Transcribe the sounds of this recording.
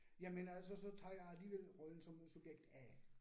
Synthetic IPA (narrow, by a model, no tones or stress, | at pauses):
jæmənælsɒsɒ̽t͡sʰɑ̈ːjɑæliːʋel̰ʁɔln̩sɒ̽msub̥jeɡ̥̚d̥æ